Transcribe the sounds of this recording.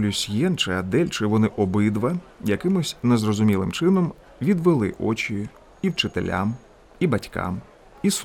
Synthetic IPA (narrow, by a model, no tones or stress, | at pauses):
lʲʊsʲjɛnt͡ʃɪɐd̪ɛlʲt͡ʃɪʋɔnɪʔɔbɪd̪ʋɐjɐkɪmɔsʲnɛzrɔzʊmʲilˠɪ̰mt͡ʃɪnɔm | ʋʲid̪ʋɪlˠɪ̰ʔɔ̰t͡ʃʲi | iwt͡ʃɪt̪elʲa̰m | ibɐtʲka̰m | is